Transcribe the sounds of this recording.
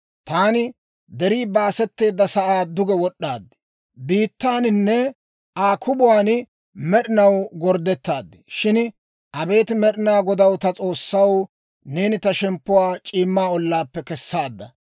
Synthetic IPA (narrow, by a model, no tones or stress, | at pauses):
t̪aːnɪ | d̪ɛɾiːbaːsɛt̪ːe̞ːd̪ːɐsɐʔaːd̪ʊɡɛwɔɗːaːd̪ːɪ̥ | biːt̪ːaːnɪnːɛ | ʔaːkʰʊbʊwaːn | mɛɗɪnɐwɡɔɾd̪ːɛt̪ːaːd̪ːɪ̥ʃɪn | ʔɐbe̞ːt̪mɛɗɪnaːɡɔd̪ɐwt̪ɐt͡sʼo̞ːsːɐw | neːnɪt̪ɐʃɛmpːʊwaːt͡ʃʼiːmːaːɔlːaːpːɛkɛsːaːd̪ːɐ̰